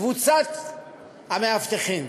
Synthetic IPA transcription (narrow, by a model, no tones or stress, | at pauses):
vut͡sat̪ | hameaft̪eχim